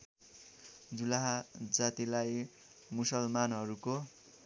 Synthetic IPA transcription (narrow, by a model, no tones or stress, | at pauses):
d͡zulaɦad͡zat̪ilaj | musʌlmanɦʌɾuko